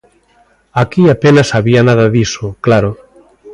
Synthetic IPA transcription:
akiapenasaβianaðɐðisoklaɾo

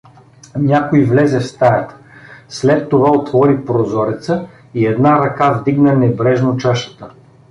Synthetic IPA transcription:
nʲakoivlɛzɛfst̪ajɐt̪ | slɛt̪ːovaot̪vɔɾipɾozɔɾit̪sə | iɛd̪naɾɐkavd̪iɡnənɛbɾɛʒnot͡ʃaʃə̥t̪ə

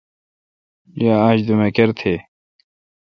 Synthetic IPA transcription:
jaaːd͡ʑd̪umekeɾt̪ʰe

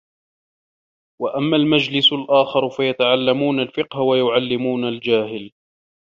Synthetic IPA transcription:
waʔamːaːlmad͡ʒlɪsʊlʔaːxɑɾˤfajat̪aʕalːamuːnalfɪqhawajʊʕalːɪmuːnald͡ʒaːhɪl

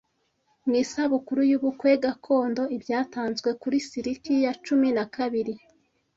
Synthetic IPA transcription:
mŋisaβukuɾujuβukwe̞ɡakʰo̞ːndo̞ibjaːtaːnzɡwe̞kuɾisiɾikijat͡ʃuminakaβiɾi

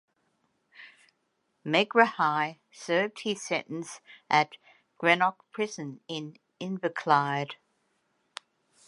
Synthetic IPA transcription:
mɛɡɹəhaɪ | sɜːvd̥̚hɪz̥sɛ̃ñn̩sʔət̚ | ɡ̥ɹɛnɑk̚pʰɹ̥ɪzə̃nɪ̃n | ɪ̃nvəkʰl̥aɪd̥

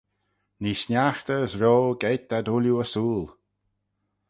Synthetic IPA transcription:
nisnʲaxt̪əəsɾoːɡeːt̪̚d̪̥ad̪ʊlʲjuəsuːl

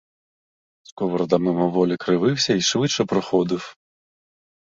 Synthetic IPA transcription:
skɔʋɔɾd̪ɐmɪmɔʋɔlʲikɾɪʋɪwsʲɐiʃʋɪt͡ʃːɛpɾɔxɔd̪ɪw

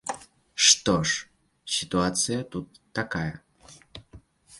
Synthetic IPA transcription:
ʂt̪oʂ | sʲɪt̪uat̪sɨjət̪ut̪ːɐkajɐ

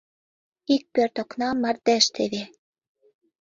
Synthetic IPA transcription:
ik̚pørt̪oknɑmːɑrd̪æʃt̪ʰeβe

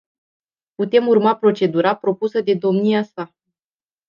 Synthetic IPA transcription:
put̪e̞murmapɾo̞t͡ʃe̞d̪uɾapɾo̞pusəd̪e̞d̪o̞mniasa

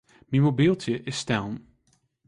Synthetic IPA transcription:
mimobilˠtəʔɪstãwn

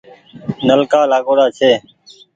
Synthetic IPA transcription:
nəlkaːlaːɠoːɽaːt͡ʃʰeː

